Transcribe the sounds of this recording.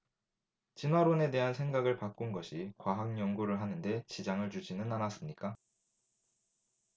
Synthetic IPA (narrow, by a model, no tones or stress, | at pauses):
t͡ɕinɦwaɾone̞de̞ɦansʰe̞ŋɡaɡɯɭpak͈unɡʌɕʰikwaɦaŋjʌŋɡuɾɯɭɦanɯnde̞t͡ɕid͡ʑaŋɯɭt͡ɕud͡ʑinɯnanas͈ɯmɲik͈a